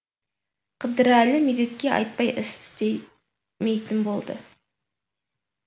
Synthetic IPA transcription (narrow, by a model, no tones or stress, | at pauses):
qʰəd̪əɾælɪmed̪et̪̚kʲeʔɑ̰jt̪̚pɑjʔɪst̪ɪ̥t̪e | mejt̪ɪmbolˠd̪ə̰